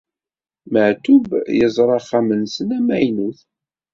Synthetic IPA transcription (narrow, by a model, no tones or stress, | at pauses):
məʕt̪uvjəzˤɾˤɑχːæmənsənæmæjnuθ